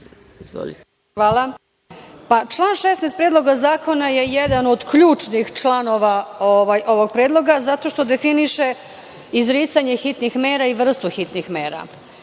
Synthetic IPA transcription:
xʋaːlˠa | pat͡ʃlˠaːnʃesnest̪pɾeːd̪lˠo̞ɡazaːko̞naje̞jed̪ano̞d̪kʎuːt͡ʂnixt͡ʃlano̞ʋaoʋajʔo̞ʋo̞ɡ̚pɾeːd̪lˠo̞ɡazat̪o̞ʃt̪o̞d̪e̞finiʃe̞ | izɾiːt̪saɲe̞xit̪nixme̞ːɾaiʋr̩st̪uxit̪nixme̞ːɾa̰

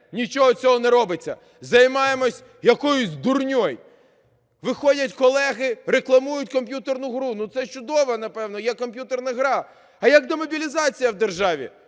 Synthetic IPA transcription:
nʲit͡ʃɔɦɔt͡sʲɔɦɔnɛɾɔbɪt͡sʲːɐ̰ | zɐjmɑjemɔsʲ | jɐkɔjʊsʲd̪ʊrnʲɔj | ʋɪxɔdʲɐtʲkɔlˠɛɦɪɾeklˠɐmujʊtʲkɔmp̬ʲjut̪ernʊɦɾunut̪sɛt͡ʃʊd̪ɔʋɐnɐpɛwnɔjɛkɔmpʲjut̪ernɐɦɾɑ | ɐjɐkd̪ɔmɔbʲilʲizɑt͡sʲijɐwd̪erʒɑʋʲḭ

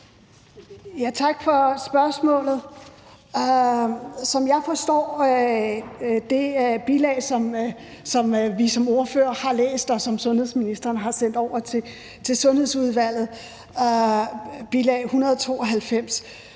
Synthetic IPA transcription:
jæt͡sʰɑ̈ɡ̥fɒ̽sb̥ɶɐsmɔ̰̽ːlð̞̩ˠ | sɒ̽mjɑ̈ɪfɒ̽sd̥ɒ̰ː | d̥e̝b̥ilɛ̰ːɪsɒ̽msɒ̽mʋisɒ̽mo̝ɐfø̰ːɐhɑ̈lḛːsd̥ɒ̽sɒ̽msɔ̽nhe̝ð̰ˠsminisd̥ɐːnɦɑ̈sen̰d̥ɒʊ̰ɐt͡sʰe̝ | t͡sʰe̝sɔ̽nhe̝ðˠsuðˠʋæl̰ð̩ˠ | b̥ilɛ̰ːɪhunɐð̞ˠɒt͡sʰo̝̰ːɒ̽ɦælfem̰s

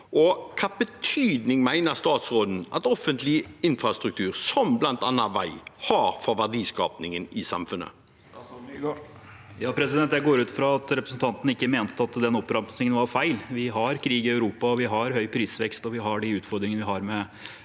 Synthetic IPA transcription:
ʔɔkʰɑːbət̪ʰyːd̪nɪŋmæɪnəʁst̪ɑːt̪sʁoːd̪n̩ʔɑt̪ɔfənt̪ʰlɪɪnfɾɑst̪ɾʉk̚t̪ʰʉːɾsɔmblɑnt̪ɑ̰nːɑʋæ̰ɪhɑːɾfɔʋæʁɖiːskɑ̰ːpnɪŋənɪsɑ̰mfʉnːə̰ | jɑːpʰɾɛsɪd̪ɛnt̪d̪ɛɡoːɾʉːt̪fɾɑɑt̪ɾɛpɾəsnt̪ɑnt̪ən̩əɪkːəmeːnt̪əɑt̪d̪ɛnɔpːɾɑmsnɪŋənʋɑɾfæɪlʋɪɦɑɾkʰɾiːɡɪœʉɾuːpɑɔʋɪɦɑɾɦœʏpʰɾiːsʋɛkst̪ɔʋɪɦɑɖɪʉːt̪fɔɾd̪ɾɪŋənəʋɪɦɑɾmɛ

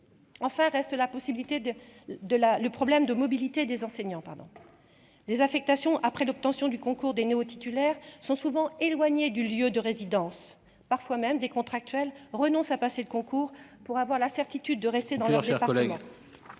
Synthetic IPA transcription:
ɑ̃fɛ̃ʁɛst̪əlapɔsibilit̪ed̪əlaləpχɔblɛmd̪əmɔbilit̪ed̪ezɑ̃seɲɑ̃paʁd̪ɔ̰̃ | lezafɛk̚t̪asjɔ̃ʔapχɛlɔp̚t̪ɑ̃sjɔ̃d̪ykɔ̃kuʁd̪eneot̪it̪ylɛʁsɔ̃suvɑ̃elwaɲed̪yljød̪əʁezid̪ɑ̃s | paʁfwamɛmd̪ekɔ̃t̪χak̚t̪ɥɛlʁənɔ̃sapaseləkɔ̃kuːʁpuʁavwaʁlasɛʁt̪it̪yd̪ːəʁɛst̪ed̪ɑ̃lœʁd̪eɛʁpaʁləmɑ̃

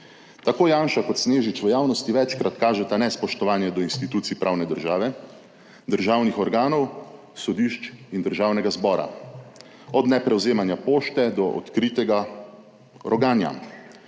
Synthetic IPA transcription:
t̪akoːjaːnʃakɔt̪sneːʒit͡ʃʋəjaːwnɔst̪iʋɛt͡ʃkɾat̪kaːʒɛt̪anɛspɔʃt̪ɔʋaːnjɛd̪ɔinst̪it̪uːt̪siipɾʔawnɛd̪əɾʒaːʋɛ | d̪əɾʒaːwnixɔɾɡaːnɔw | sɔd̪iʃt͡ʃind̪əɾʒaːwnɛɡazbɔːɾa̰ | ɔd̪nɛpɾɛwzeːmanjapoːʃt̪ɛd̪ɔʔɔ̰t̪kɾiːt̪ɛɡa | ɾɔɡaːnja̰

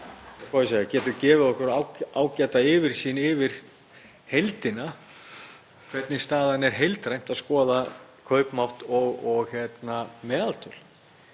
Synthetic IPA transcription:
kʰɔðɪs̬aacɛːt̪ʏcɛːvɪðɔhkʏɾawaːwcat̪aɪːvɪɾ̥siːnɪvɪɾ̥ | hejlt̪ɪna | kʰvɛt̪nɪst̪aːðanɛɾ̥ɦejlt̪ɾajn̥t̪aðskɔːðakʰœɥpmawht̪ɔɣɔɣçjɛt̪namɛːðalt̪ʰʏl̥

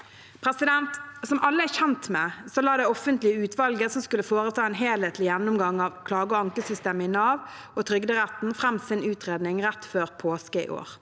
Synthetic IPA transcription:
pʰɾɛsɪd̪ɛnt̪sɔmʔɑlːəæçɛnt̪mɛsɔlɑːd̪ɛɔfːənt̪lɪəʉːt̪ʰʋɑlɡəsɔmskʉlːəfoːʁət̪ʰɑːɛnɦeːlheːt̪lɪjɛnːʊmɡɑŋːɑʋkʰlɑːɡəɔɑŋkəsʏst̪eːmɪnɑːʋ | ɔt̪ʰɾʏɡd̪əʁæt̪n̩fʁɛmsɪnʉːt̪ʁeːd̪nɪŋʁɛt̪ːføːʁpʰoːskəɪ̰ʔo̰ːʁ

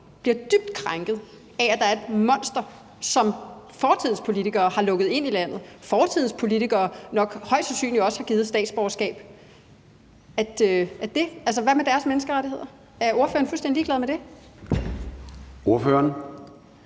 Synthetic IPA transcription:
b̥liɐd̥yb̥̚d̥kʰʁaŋɡ̥ð̩ˠ | ææd̥ɑ̈æɐe̝d̥mɒ̽n̰sd̥ɐ | sɒ̽m | fɒːt͡sʰið̰ˠn̩spʰo̝lit͡sʰiɡ̥ɐːhɑ̈lɔ̽ɡ̥ð̩ˠe̝n̰ilæn̰ð̞̩ˠfɒːt͡sʰið̰̩ˠspʰo̝lit͡sʰiɡ̥ɐːnɒ̽ɡ̥hɒ̽ɪ̰d̥sɑsy̰ːnliɒ̽sə̥hɑ̈ɡ̥iːð̩ˠsd̥ɛ̰ːd̥sb̥ɒɐsɡ̥ɛ̰ːb̥ | æ̥øæd̥e̝ʔæls̬əʋæmed̥æɐsmenəsɡ̥əʁaɾ̥ihe̝ð̰ˠɐ | æɐo̝ɐfø̰ːɐnfulsd̥end̥iɡ̥lɛð̞ˠmed̥e̝ | o̝ɐføːɐn

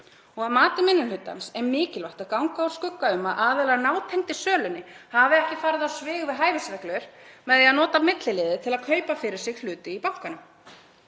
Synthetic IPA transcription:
ɔɣaðmaːt̪ʏmɪnːʏlʏt̪ːa̰nsɛmɪːcɪlvaht̪aðkawŋkaaɾ̥skʏkːaʏmaðʔaːððɛlanaːwt̪ʰɛjŋ̥t̪ɪ̥sœːlʏnːɪhavɪɛhcɪfaːɾɪðawsvɪːɣvɪðɦaːjvɪsvɛklœʏɾ̥mɛðɛaðnɔːt̪amɪt̪lɪlɪːðɪt̪ʰɪlaðkʰœɥpafɪɾɪɾ̥sɪɣlʏːt̪ɪipawŋ̥kanʏm

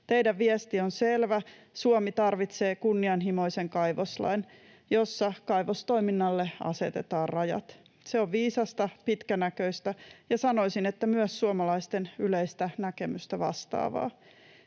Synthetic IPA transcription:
t̪e̞jdæʋʋiɛst̪ionselʋæ | suomit̪ɑrʋit̪se̞ːkunːiɑnɦimo̞iseŋkɑjʋoslɑ̰in | jo̞sːɑkɑjʋost̪o̞iminːɑlːeɑ̰se̞̰t̪ḛt̪ɑːrrɑjɑ̰t̪ | seoʋʋiːsɑst̪ɑpit̪kænækøist̪æjɑsɑno̞isinet̪ːæmyøsːuomɑlɑist̪enyleist̪ænækemyst̪æʋɑ̰st̪ɑ̰ːʋɑ̰ː

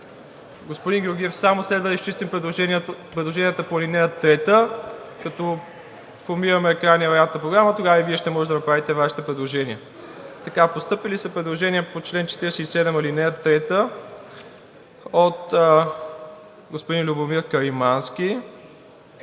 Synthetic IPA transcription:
ɡospod̪iŋɡʲʊɾɡʲiɛfsamoslɛd̪vəd̪əiʃt͡ʃist̪impɾɛlˠʒɛnpɾɛd̪lˠoʒɛnijət̪əpoɐlinɛɐt̪ːɾɛt̪əkɐt̪ɔ | foɾmiɾɐmɛːkɾanːijəɾɐjat̪nəpɾoɡɾamət̪oɡavəiviɛʃt̪ɛmɔʒɛd̪ɐnɐpɾavit̪ɛvaʃi̥t̪ɛpɾɛd̪lˠoʒɛniə | t̪ɐkapost̪ɤpilisəpɾɛd̪lˠoʒɛniəpot͡ʃlɛnt͡ʃɛ̥t̪iɾɛsɛisɛd̪ɛmɐlinɛɐt̪ːɾɛt̪ə | ot̪ | ɡospod̪inlʲubomiɾkɐɾimanskʲi

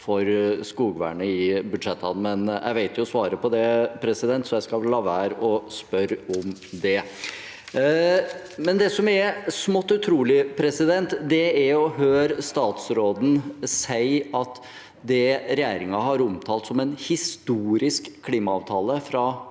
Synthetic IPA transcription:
fɔɾskuːɡʋæ̰ːɳəɪbʉd̪ʂɛt̪ːɑ̰n̩mɛnjʔæ̰ɪʋæɪt̪jʊsʋɑːɾəpɔd̪ɛpʰɾɛsɪd̪ɛnt̪sɔjæɪskɑlɑːʋəhæːɾɔspœɾɔmd̪ɛ | mɛnd̪ɛsɔmæɾsmɔt̪ːʉt̪ʰɾuːlɪpʰɾɛsɪd̪ɛnt̪d̪ɛæɾɔɦøːɾst̪ɑːt̪sɾoːd̪n̩sæɪɑt̪ | d̪ɛɾɛjæːɾɪŋɑɦɑɾɔmt̪ʰɑːlt̪sɔmɛnhɪst̪uːɾɪskkʰːliːmɑɑːʋt̪ʰɑːləfɾɑ

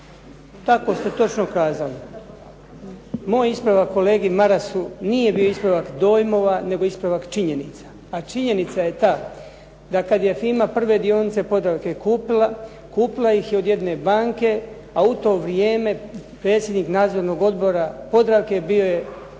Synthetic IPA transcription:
t̪ako̞st̪e̞t̪o̞t͡ʃnokaːzali | moːjispɾaʋakːo̞le̞ːɡimaɾasunije̞bioispɾaʋakd̪o̞ːjmo̞ʋane̞ɡo̞ispɾaʋakt͡ʃiɲe̞nit̪sḁːt͡ʃiɲe̞nit̪saje̞t̪aː | d̪akad̪je̞fimapr̩ʋe̞d̪io̞nit̪se̞po̞d̪ɾaʋke̞kuːpila | kuːpilˠajixjeo̞d̪je̞d̪nebaːŋke̞ | aut̪o̞ːʋɾijeːme̞pɾe̞ːt̪sʲje̞d̪niknaːd̪zoɾno̞ɡo̞d̪boɾapo̞d̪ɾaʋke̞bio̞je

